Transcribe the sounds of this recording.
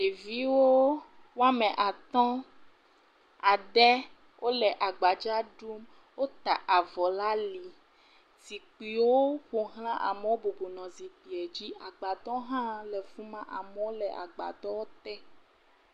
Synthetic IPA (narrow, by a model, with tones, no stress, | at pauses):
e˨vi˦wo˦ | wo˦a˦mɛ̃˨ʔa˨t̪ɔ̃˦ | a˨ɖɛ˦ | wʔo˦lɛ˨ʔa˨ɡ͡ba˨d͡ʒa˦ɖu˦m | wo˦t̪a˨ʔa˨vɔ˨la˦li˨ | zi˨k͡pi˨wo˦ɸo˨ɦl̃ã˦ʔa̰˨me˨wo˦bu˨bu˨nɔ̃˨zi˨k͡pi˨ɛ˨d͡ʑi˦a˨ɡ͡ba˨t̪ɔ̃˦ɦã˦lɛ˨vu˦mã˦ʔa˨me˨wo˦lɛ˨ʔa̰˨ɡ͡ba̰˨d̪ɔ˦wo˦t̪ɛ˦